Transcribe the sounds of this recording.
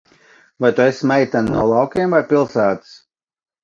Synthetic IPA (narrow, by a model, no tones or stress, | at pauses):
vajt̪uesmɛjt̪annṵɔlˠɑwkʲeːmvajpʲilˠsæːt̪ɨ̥s